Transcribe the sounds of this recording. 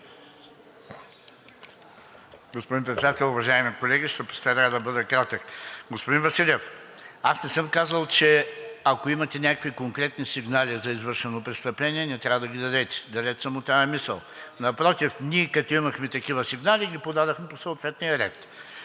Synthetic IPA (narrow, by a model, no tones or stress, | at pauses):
ɡospod̪inpɾɛt̪sɛd̪at̪ɛlˠʊvɐʒaimikolɛɡʲiʃt̪ɛpo̥st̪aɾad̪ɐbɤd̪ɐkɾat̪əkɡospod̪invɐsilʲɛfasnɛsɤmkazəlˠt͡ʃɛɐkoimɐt̪ɛnʲakəkvikoŋkɾɛt̪nisiɡnalʲizɐizvɤɾʃɛnopɾɛt̪st̪ɐplɛnʲiɛnɛt̪ɾʲavɐd̪ɐɡʲid̪ɐd̪ɛt̪ɛ̥d̪ɐlʲɛt̪səmot̪aɛmisə̰lˠnɐpɾɔt̪ifnʲiɛkɐt̪oimɐxmɛt̪ɐkivəsiɡnaliɡʲipod̪ad̪oxmɛposoot̪vɛt̪nʲijɐɾɛ̰t̪